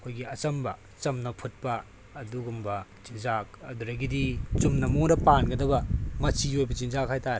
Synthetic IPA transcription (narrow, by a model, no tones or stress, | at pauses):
ɐkʰojɡiɐt͡ʃɐmbɐ | t͡ʃɐmnɐpʰut̚pɐː | duɡumbɐt͡ʃinzak̚ɐ̰duɾɐɡidit͡ʃumnɐmoɾɐpanɡɐdɐbɐmɐt͡ʃiojbɐt͡ʃinzakhajtaɾe